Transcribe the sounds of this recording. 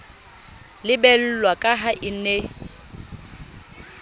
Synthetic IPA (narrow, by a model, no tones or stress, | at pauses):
lɪbɛl̩lwakʼaɦaʔɪne